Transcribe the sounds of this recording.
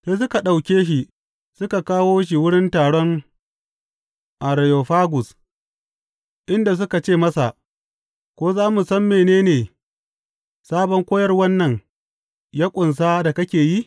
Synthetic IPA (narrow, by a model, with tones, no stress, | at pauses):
seː˦s̬ʊ˦ka˨ɗa˨wkʲeː˦ʃ̬i˨ | sʊ˦ka˨kaː˦woː˦ʃ̬i˨wʊ˦ɽɪ˦ntaː˨ɽɔ˦ŋ | ʔa˨ɾa˨jo˨ɸaː˦ɡʊ˨s | ʔɪ˦nda˨s̬ʊ˦ka˨t͡ʃeː˦˨mɐ˦sa˨ʔ | kʷoː˦zaː˦mu˨sɐ˦mːeː˨neː˦neː˨ | saː˦bɔ˦ŋkʷoː˦jɐ˦rwɐ˦nːɐ˨ŋ | jaː˦kʷʼʊ˨ns̬aː˦da˨kɐ˦kʲeː˨ji˦